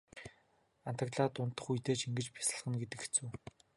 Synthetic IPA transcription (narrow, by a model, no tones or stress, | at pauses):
an̥t̪ə̆kɮaːt̪ʊnt̪ːə̆χujt̪eːt͡ɕiŋɡɘ̆t͡ɕpʲi̥sə̆ɮχə̆nɡet̪ɘ̆ket͡suː